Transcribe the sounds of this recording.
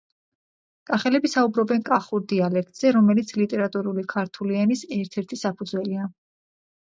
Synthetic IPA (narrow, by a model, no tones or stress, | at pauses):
kʼaχɛlɛbisaubɾɔbɛnkʼaχuɾd̪ialɛk̚ʰt̪ʼz̥ɛɾɔmɛlit̪sʰlit̪ʼɛɾat̪ʼuɾulikʰaɾt̪ʰulianisɛɾt̪ʰɛɾt̪ʰisapʰud̪zwɛlia